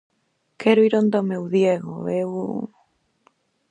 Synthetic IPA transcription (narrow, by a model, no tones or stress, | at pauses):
kʰɛɾoiɾond̪omewðjeɣo̰ew